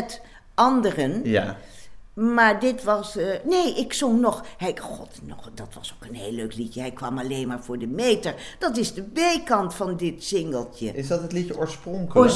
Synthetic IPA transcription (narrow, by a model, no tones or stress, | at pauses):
ɛt | ɑndərən | maːɹdɪtʋɑsneːʔɪksoŋnɔχhɛjχɔ̰tnɔ̰χd̥ɑtʋɑsowkənɦeːløːklitəɦɛjkʋɑmɑleːnmaːɹv̥ʊːɹdəmejtəɹd̥ɑtɪzdəbejkɑntfɑndɪtsɪŋɡəlˠtəɪsdɑtətlitjəoːɹsprɔŋkələ